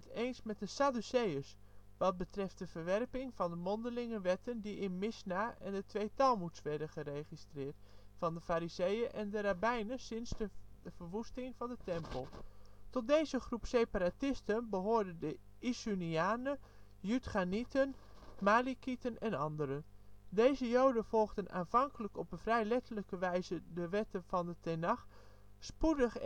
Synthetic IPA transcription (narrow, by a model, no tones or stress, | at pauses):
ətejnsmɛt̚dəsadusejəs | ʋɑt̚bətrɛft̚dəvərʋɛrpɪŋvɑndəmɔndəlɪŋəʋɛtəndiɪnmɪsnaʔɛ̰ndətʋejtɑlˠmutsʋɛɹdənχəreχistrɪːɹtfɑndəfaːɾizejəʔɛndəɾabɛjnəsɪnsdəəv̥əɹʋustɪŋv̥ɑndətɛmpəlˠtɔt̚dejzəχrupsejpaɾaːtɪstənbəɦoːɹdəndə | isyniaːnə | jytχanitənmaːlikitənɛnɑndəɾədejzəjowdənv̥ɔlˠɣdənʔa̰ːnv̥ɑŋkələkɔpənfrɛjlɛtələkəʋɛjzədəʋɛtəv̥ɑndətɛnɑχ | spudəχ